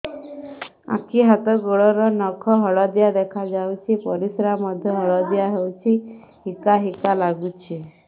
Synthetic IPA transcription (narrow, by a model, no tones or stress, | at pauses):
ã̰kʰiɦat̪ɔɡoɭɔɾɔnɔkʰɔɦɔɭɔd̪jad̪ekʰad͡ʒawt͡ʃʰipɔɾisɾamɔd̪ʱjɔɦɔɭɔd̪jaɦewt͡ʃʰi | hikaɦikalaɡut͡ʃʰi